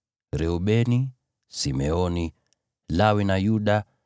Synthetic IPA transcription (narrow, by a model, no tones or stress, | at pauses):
ɾɛuɓɛni | simɛɔni | lawinajuɗa